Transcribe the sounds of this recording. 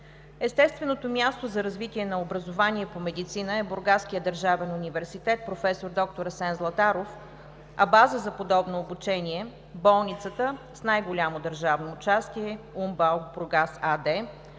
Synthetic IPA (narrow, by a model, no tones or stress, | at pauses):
ɛst̪ɛst̪vɛnot̪omʲjast̪ozɐɾɐzvit̪ʲiɛnɐobɾɐzovanʲiɛpomɛd̪it̪sinəɛbʊɾɡaskijəd̪əɾʒavɛnunivɛɾsit̪ɛt̪̚pɾofɛsoɾd̪ɔk̚t̪oɾɐsɛnzlˠɐt̪aɾof | ɐbazəzɐpod̪ɔbnoːbut͡ʃɛnʲiɛ | bɔlˠnit̪sət̪ə | snajɡolʲamod̪əɾʒavnoːt͡ʃast̪iɛ | umbalˠɡbɾoɡasad̪ɛ